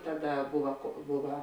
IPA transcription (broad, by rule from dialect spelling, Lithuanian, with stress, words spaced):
ˈtɑːˌdɐ ˈbʊʋɐ koː ˈbʊʋɐ